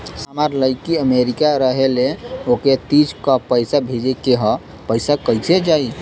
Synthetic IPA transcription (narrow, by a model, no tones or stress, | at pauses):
samaɾləɪkiəmeɾikaɾəɦeleoket̪id͡ʒkəpəjsabʱed͡ʒekeɦɔ̃ | pəjsakəjsed͡ʒai